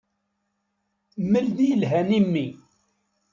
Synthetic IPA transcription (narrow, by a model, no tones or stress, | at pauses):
məld̪ilɦænimːi